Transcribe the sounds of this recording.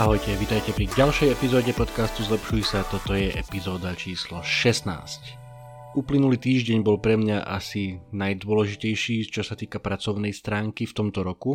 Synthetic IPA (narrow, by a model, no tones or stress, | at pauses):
aɦɔjcɛʋit̪ajcɛpɾiɟalʃɛjɛpizɔːɟɛpɔt̪kast̪uzlɛpʃujsat̪ɔt̪ɔjɛʔɛpizɔːd̪at͡ʃiːslɔʃɛsna̰ːsc | uplinuliːt̪iːʒɟɛɲbɔlpɾɛmɲaʔa̰sinajd̪ʊɔlɛʒicɛjʃiːt͡ʃɔsat̪iːkapɾat͡sɔʊnɛjst̪ɾaːŋkift̪ɔmt̪ɔɾɔku